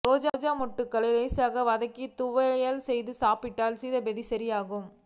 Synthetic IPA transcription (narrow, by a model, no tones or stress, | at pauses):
ɾoːd͡ʒaːd͡ʒaːmɔʈːɯkːɐɭɐleːsaːɣɐʋɐðɐkːit̪ʊʋɐɐjaːlsɛjðɯsaːpɪʈːaːlsiðɐbɛðisɐɾɪjaːɣɯm